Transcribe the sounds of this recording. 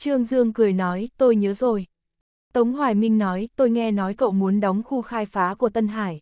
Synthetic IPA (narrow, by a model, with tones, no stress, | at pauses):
t͡ɕɨ˧əŋzɨ˧əŋkɨ˨˧˩əjnɔ˨˦jt̪o˧jɲəː˨˦zo˨˩j | t̪ə˨˦wŋ͡mɦwaː˧˩jmï˧ŋ̟nɔ˨˦jt̪o˧jŋɛ˧nɔ˨˦jkə̰˧˨wmu˨˦ənɗɔ˨˦wŋ͡mxu˧xaː˧jfaː˨˦ku˧˩ət̪ə˧nɦaː˧˩j